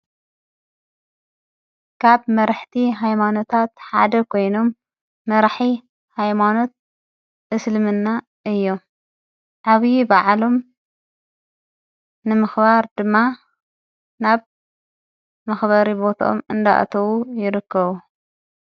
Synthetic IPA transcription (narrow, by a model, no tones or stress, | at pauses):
kʰaβmɐɾaħt̪ʰiɦajmano̞t̪ʰat̪ħa̰d̪ɐkʰo̞jno̞mː | ɐɾħi | hajmano̞t̪̚ | ʔɨslɨmɨnːa | ʔɨjːo̞ | ʕaβjibaʕlo̞m | nɨmɨxbaɾd̪ɨmːa | naβ | mɐxβɐɾibo̞t̪ʰo̰mɨnd̪a̰ʔa̰t̪ʰɐβujɪɾɨkːɐβu